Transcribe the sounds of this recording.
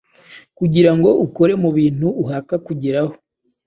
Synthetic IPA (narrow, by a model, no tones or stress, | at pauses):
kuɟiɾaŋɡo̞ʔuko̞ɾe̞muβiːn̥huːɦakakuɟiɾaho